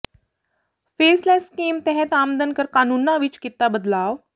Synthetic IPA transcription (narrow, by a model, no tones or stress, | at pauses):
feslaskiːmt̪ɛɦɛ̃t̪amd̪ənkəɾkanunːaʋiːt͡ʃkit̪ːabəd̪laʋ